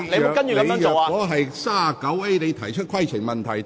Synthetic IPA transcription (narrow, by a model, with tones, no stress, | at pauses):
leː˧˥˨kɐ˥njyː˨kɐ˨˧˥o˨wa˧kɔː˨˥ɦɐ˨jsaː˥˨kɐ˨˥we˥jne˨˧jt̪ʰɐ˨˩jt͡ʃʰɵ˥t̚kʰwɐ˥jt͡sʰɪ˨˩ŋmɐ˨nt̪ʰɐ˨˩j